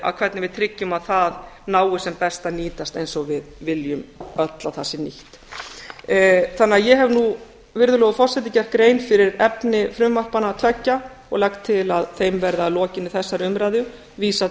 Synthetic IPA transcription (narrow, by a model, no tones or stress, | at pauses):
a̰ðkʰv̥ɛɾt̪nɪvɪðt̪ʰɾɪcːʏmaðθaðnaːwʏsɛmpɛst̪aniːt̪ast̪ejnsɔɣvɪðvɪljʏmœt̪laθasːɪniht̪ | θanːɪajɛɦɛvnu | vɪɾðʏlɔːɣʏfɔr̥sɛt̪̬ɪcɛr̥kːɾeːjnfɪɾɪɾɛpnɪfɾʏmːar̥panat̪ʰɛcːa | ɔ̰ɣlakt̪ʰːɪlaðθejmvɛɾðalɔːcɪnːɪθɛsːaɾʏmɾaːjðjʏ | viːsa